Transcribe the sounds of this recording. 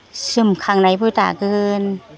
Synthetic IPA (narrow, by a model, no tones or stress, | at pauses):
sɯmkʰaŋnajbuːt̪a̰ːkɯn